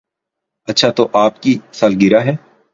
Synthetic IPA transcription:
ɐtːʃʰat̪oʔaːpkisaːlɡɪɾaɦɛː

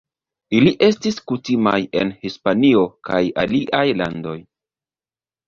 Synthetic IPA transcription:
iliʔe̞stiskutima̰je̞̰nhispanio̞kaja̰liʔajla̰ndo̞j

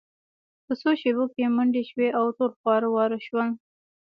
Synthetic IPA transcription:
pəsoʃebokemʊɳɖeʃweʔawʈoɾxwɑɾwɑɾəʃwəl

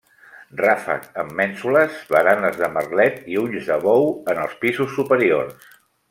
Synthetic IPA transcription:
rafə̰kəmːɛnsuləzβəɾanəzðəmərlɛt̪iuʎzðəβɔwənəlˠspizusːupəɾio̰rs

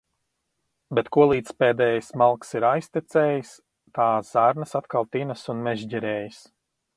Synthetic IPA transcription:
bɛt̪kuɔlˠiːt̪speːd̪ɛːjsmalˠksiɾajsʲt̪it̪sɛːjis | t̪aːzzaɾnəsat̪kalˠt̪inəsunmɛʒɟɛɾɛːjis

